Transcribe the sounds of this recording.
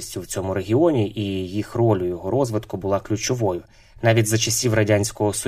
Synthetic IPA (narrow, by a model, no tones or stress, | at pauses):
sʲtʲʊwt͡sʲɔmʊɾe̞ɦʲiɔnʲiʔijixrɔlʲʊjɔɦɔɾɔzʋɪt̪kʊbʊlˠɑklʲʊt͡ʃɔʋɔjʊ | nɑʋʲitʲzɐt͡ʃɐsʲiwrɐdʲanʲsʲkɔɦɔsɔ